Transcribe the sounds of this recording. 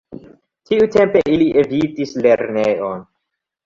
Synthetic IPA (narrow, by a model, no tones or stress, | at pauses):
tʰiute̞mpeʔiliʔevitisle̞ɾneon